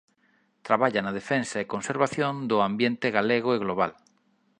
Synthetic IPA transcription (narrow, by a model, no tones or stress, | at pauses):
t̪ɾaβaʎanað̞efensaekonseɾβaθjõnd̪ʊambjent̪eɣaleɣʊeɣloβ̞a̰l